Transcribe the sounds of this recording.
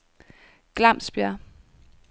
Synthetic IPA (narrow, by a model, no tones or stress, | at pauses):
ɡ̥lɑm̰sb̥jæ